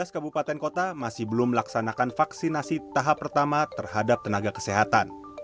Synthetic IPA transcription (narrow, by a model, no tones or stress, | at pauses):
askabupat̪ɛnkot̪amasɪhbəlʊməlaksanakanfaksinasit̪aɦapːərt̪amat̪ərɦadap̚t̪ənaɡakə̥seɦat̪an